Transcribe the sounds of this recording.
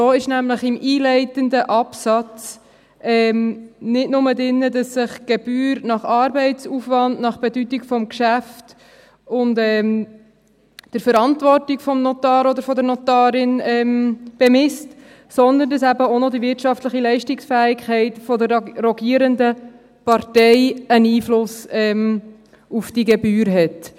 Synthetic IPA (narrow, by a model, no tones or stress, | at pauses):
oːɪʃnæmləχɪmiːlɛɪtəndəʔɑpsɑt͡s | ʔɛːmnɪdnʊmədɪnːədɑsːɪχɡ̥ɛb̥yːɾnɑχɑːɾbɛɪtt͡suːfvɑndnɑχb̥ɛdytikfɔmkʃæft | ʊndɛːm | d̥əɾfəɾɑntvɔrtikfɔmnɔtɑːɾɔd̪əɾfɔdəɾnɔtɑːɾɪnɛmb̥emɪst | sɔnd̪əndɑsæbəonodivɪɾtʃɑftləχilɛɪʃtɪksfæːɪkχɛɪtfɔdəɾːɔɡiːəɾəndə | pɑɾtɛɪəniːflʊsɛm | ufd̥iɡɛbyːɾɦɛt